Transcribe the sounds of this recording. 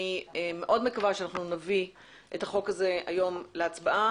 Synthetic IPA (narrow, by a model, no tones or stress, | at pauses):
ieme̞ʔo̞dmekavaʃeanaχnunavi | ʔetaχo̞kaze̞a̰jo̞mleat͡sbaʔa